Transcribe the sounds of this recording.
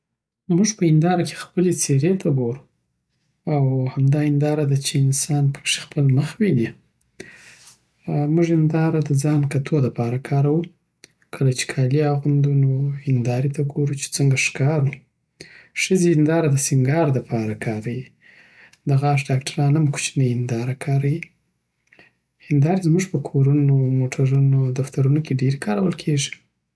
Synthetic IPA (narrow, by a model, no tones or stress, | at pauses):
muʐpəɪnd̪ɑɾakʰe̥xpəlet͡seɾet̪ʰaɡoɾu | awhamd̪ɑɪnd̪ɑɾad̪at͡ʃeɪnsɑnpə̥kʂe̥xpəlməxwini | muʐɪnd̪ɑɾad̪əd͡zɑnkat̪ʰoləpɑɾakʰɑɾawu | kʰəlat͡ʃe̥kʰɑliaɣund̪unooɪnd̪ɑɾit̪aɡoɾut͡ʃe̥t͡səŋɡaʂkɑɾu | ʂəziɪnd̪ɑɾad̪əsiŋɡɑɾd̪əpʰɑɾakʰɑɾawi | d̪əɣaʂ̬ɖɑkʈaɾɑnamku̥t͡ʃnəɪnd̪ɑɾakʰɑɾaji | ɪnd̪ɑɾizmuʐpəkʰoɾunomoʈʰaɾunod̪aft̪aɾunokeɖeɾekɑɾawəlkʰeʐi̥